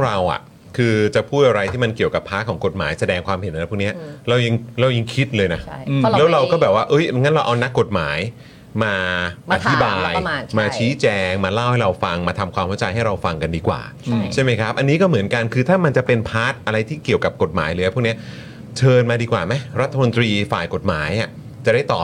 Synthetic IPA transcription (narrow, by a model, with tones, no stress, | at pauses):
ɾa˧wʔa̰˨˩ʔ | kʰɯː˧t͡ɕa˨˩pʰuː˥˩t̪̚ʔa˧ɾa˧jt̪ʰiː˥˩ma˧nki˨˩əwka˨˩pʰːaː˦˥t̪̚kʰɔː˩˦ŋko˨˩t̪̚maː˩˦jsa˧dɛː˧ŋkʰwaː˧mhe˨˩˦nʔa˧˦˥pʰuː˥˩k̚ni˦˥ɐɾa˧wja˧ŋlɾa˧wja˧ŋkʰi˦˥t̪̚lɤː˧jna˦˥llɛː˦˥wɾa˧wkɔː˥˩bɛː˨˩p̚waː˥˩ʔɤ˦˥jŋa˦˥nɾa˧wʔa˧wna˦˥kːo˨˩t̪̚ma̰ː˩˦j | maː˧ʔa˧t̪ʰi˦˥baː˧jmaː˧t͡ɕʰiː˦˥t͡ɕɛː˧ŋmaː˧la˥˩wha˥˩jɾa˧wfa˧ŋmaː˧t̪ʰa˧mkʰwaː˧mka˥˩t͡ɕa˧jɦa˥˩jɾa˧wfa˧ŋka˧ndiː˧kwa̰ː˨˩ | t͡ɕʰa˥˩jma˦˥jkʰɾa˦˥p̚ʔa˧nːiː˦˥kɔː˥˩mɯ˩˦ənka˧nkʰɯː˧t̪ʰaː˥˩ma˧nt͡ɕa˨˩pe˧npʰaː˦˥t̪̚ʔa˧ɾa˧jt̪ʰiː˥˩ki˨˩əwka˨˩p̚ko˨˩t̪̚maː˩˦jlɤː˧ja˦pʰːkni˦˥ɐ | t͡ɕʰɤː˧nmaː˧diː˧kwaː˨˩ma˦˥jɾa˦˥t̪ʰːa˧mo˧nt̪ɾiː˧faː˨˩jko˨˩t̪̚maː˩˦jʔa˨˩ | t͡ɕa˨˩daː˥˩jt̪ɔː˨˩p̚